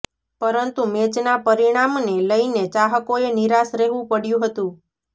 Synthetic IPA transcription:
pəɾənt̪umet͡ʃnapəɾiɽ̃amneləinet͡ʃaɦəkoeniɾasɾɛɦʋũpəɽjũɦət̪ũ

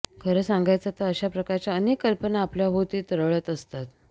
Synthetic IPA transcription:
kʰəɾəːsãŋɡʱajt͡sat̪əɾəɕapɾəkaɾt͡ɕjaənekːəlpənaːpljabʱot̪iːt̪əɾəʋɭət̪əst̪at̪

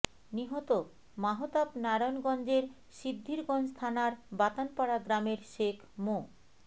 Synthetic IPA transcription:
niɦot̪o | maɦot̪apnaɾonɡɔnd͡ʑeɾ | ʃibd̪ʱːiɾɡɔnd͡ʑt̪ʰanaɾbat̪anpaɽaɡɾameɾʃekʰmo

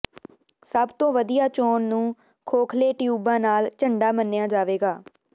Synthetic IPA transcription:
səbt̪õːʋəd̪ijaːt͡ʃoːnnũː | kʰoːkʰleːʈjuːbãːnaːlt͡ʃəɳɖaːmənːɪjaːd͡ʒaːʋeːɡaː

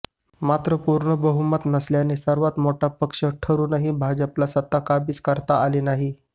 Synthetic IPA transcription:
mat̪ɾəpuɾɳəbəɦumət̪nəsljanesəɾʋat̪moʈapəkʂəʈʰəɾuːnaɦibʱad͡ʑəplasət̪ːakabid͡zkəɾt̪aːliːnaɦi

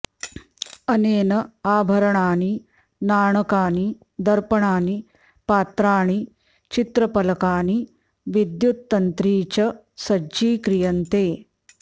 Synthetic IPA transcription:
ɐneːnɐaːbʱɐɾɐɳaːni | naːɳɐkaːni | d̪ɐɾpɐɳaːni | paːt̪ɾaːɽ̃i | t͡ɕit̪ɾɐpɐlɐkaːni | ʋid̪jut̪ːɐnt̪ɾiːt͡ɕɐ | sɐd͡ʑiːkɾijɐnt̪eː

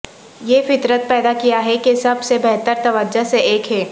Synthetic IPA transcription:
jeːfɪt̪ɾət̪̚pɛːd̪akijaɦɛkesɐbsebɛɦt̪əɾt̪ɐʋəd͡ʒaseeːkɦɛː

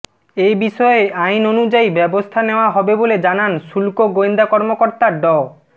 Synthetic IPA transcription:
ejbiʃɔeajnonud͡ʑaibɛbost̪ʰaneoaɦɔbeboled͡ʑananʃulkoɡoend̪akɔɾmokoɾt̪aɾɖɔ

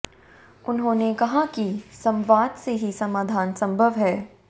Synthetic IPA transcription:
ʊnɦõːnekɐɦakisɐ̃mʋaːd̪seɦisɐmaːd̪ʱaːnsɐ̃mbʱəʋɦɛː

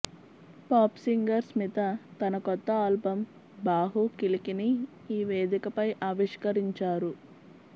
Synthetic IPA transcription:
paːpsiŋɡɐɾsmit̪ɐt̪ɐnɐkɔt̪ːɐaːlbɐm | baːɦukilikini | iːʋeːd̪ikɐpɐjʔaːʋiʂkɐɾiɲt͡ʃaːɾu

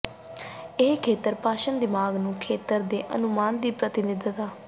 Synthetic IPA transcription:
ɪɦkʰeːt̪əɾpaːʃənd̪ɪmaːɡnũːkʰeːt̪əɾd̪eːʔə̰nʊmaːnd̪iːpɾət̪ɪnɪd̪t̪aː

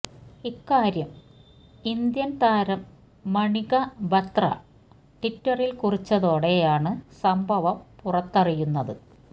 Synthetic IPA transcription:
ikːaːɾjɐm | ind̪jɐnt̪aːɾɐmː | ɐɳiɣɐbʱɐt̪rɐ̰ | ʈitːɐrilkurit͡ɕːɐðo̞ːɽe̞jaːɳɨsɐmbʱɐʋɐmpurɐt̪ːɐrijunːɐðɨ

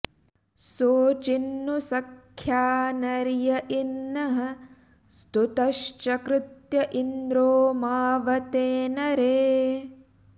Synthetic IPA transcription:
soːt͡ʃinːusɐkʰjaːnɐɾjɐʔinːɐɦɐ̆ | st̪ut̪ɐʃt͡ʃɐkɾɪt̪jɐʔind̪ɾoːmaːʋɐt̪eːnɐɾeː

